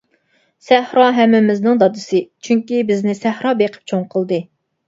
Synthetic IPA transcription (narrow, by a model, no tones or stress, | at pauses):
sæhɾɑɦɛmːɪmɪznɨŋd̪ɑd̪ɨsɨt͡ʃʰyŋkʲibɪznɪsæhɾɑbeqʰə̥p̚t͡ʃʰoŋqʰəlˠd̪ɨ